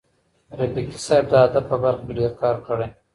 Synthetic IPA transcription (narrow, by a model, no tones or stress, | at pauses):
ɾɪbiki̥sɑjb̚d̪əad̪aəbaɾxkeɖeɾkɑːɾkəɽe